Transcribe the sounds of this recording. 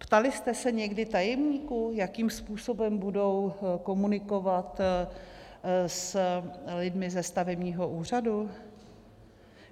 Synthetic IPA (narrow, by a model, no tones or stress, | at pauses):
pt̪alɪst̪ɛsɛɲɛɡdɪt̪ajɛmɲiːkujakiːmspuːso̞bɛmbudo̞wko̞munɪko̞vat̪ | s | lɪdmɪzɛst̪avɛbɲiːɦo̞ʔuːr̝adu